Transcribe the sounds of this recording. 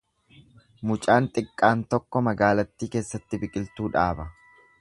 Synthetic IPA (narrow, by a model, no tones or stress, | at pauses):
mʊt͡ʃʼaːnt̪ʼɪkʼːaːnt̪ɔkːɔmɐɡaːlɐt̪ːiːke̞ːsːɐt̪ːɪbɪkʼɪlt̪uːᶑaːbɐ